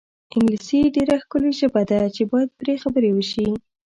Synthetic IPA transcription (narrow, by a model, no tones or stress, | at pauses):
ɪŋɡlisiɖeɾaxkəleʒəbad̪at͡ʃebɑjad̪̚pɾexabəɾewəʃi